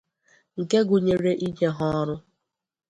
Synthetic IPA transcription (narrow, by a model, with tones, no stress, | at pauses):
ŋ̩˨ke˦ɡʊ˨ɲe˨ɾe˦ʔi˦ɲe˦ɦɔ˦ɔ˦ɾʊ˦